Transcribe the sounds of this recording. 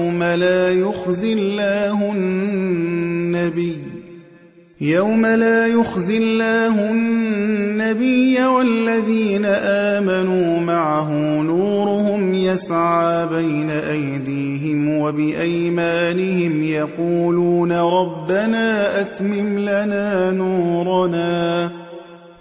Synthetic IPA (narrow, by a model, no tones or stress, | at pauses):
malaːjʊxzɪlːaːɦʊ | nːabɪj | jawmalaːjʊxzɪlːaːɦʊ | nːabɪjːawalːaðiːnaʔaːmanuːmaʕaɦʊmnuːɾʊhʊmjasʕaːbajnaʔajd̪iːɦɪmwabɪʔajmaːnɪhɪmjɑquːluːnaɾˤɑbːanaːʔat̪mɪmlanaːnuːɾˤnaː